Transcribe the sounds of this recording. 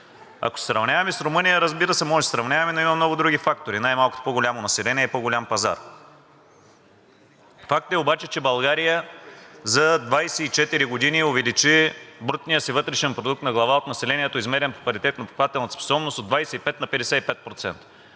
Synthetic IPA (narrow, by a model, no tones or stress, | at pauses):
ɐ̰ko̥sɛ̥sɾɐvnʲavɐmɛsɾʊmɤnijəɾəzbiɾəsɛmɔʒɛd̪ə̥sɾɐvnʲavɐmɛnoimɐmnɔɡʊd̪ɾuɡifakt̪oɾinajmalˠkʊ̥ot̪o̥poɡolʲamonɐsɛlɛnʲiɛipoɡolʲampɐza̰ɾ | fak̚t̪ɛobat͡ʃɛt͡ʃɛbɐlˠɡaɾijəzɐd̪vajsɛit͡ʃɛt̪iɾiɡod̪iniovɛlit͡ʃibɾt̪nijəsivɤt̪ɾɛʃɛnpɾod̪uk̚t̪nɐɡlˠɐvaot̪nɐsɛlɛniɛt̪oizmɛɾɛnpo̥kvɐɾit̪ɛt̪nɐpɾo̥kvat̪ɛlˠnt̪spo̥sɔbnost̪od̪vajsɛipɛt̪nɐpɛd̪ɛsɛipɛt̪̚pɾot̪sɛ̰nt̪ə̥